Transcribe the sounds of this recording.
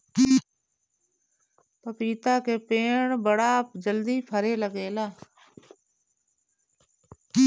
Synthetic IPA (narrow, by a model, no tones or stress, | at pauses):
pəpiːt̪aːkeːpeːɳbəɽaːpd͡ʒəld̪iːpʰəɾeːləɡeːlaː